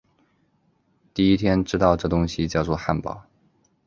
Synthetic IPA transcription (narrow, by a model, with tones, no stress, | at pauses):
t̪i˥˩i˥t̪ʰjɛ˥nʈ͡ʂɻ̩˥t̪ɑ˥˧ʊʈ͡ʂɤ˥˩t̪ʊ˥ŋɕi˧t͡ɕjɑ˥˧ʊt͡sɔ˥˧xa˥˧˩npɑ̰˥˩˦ʊ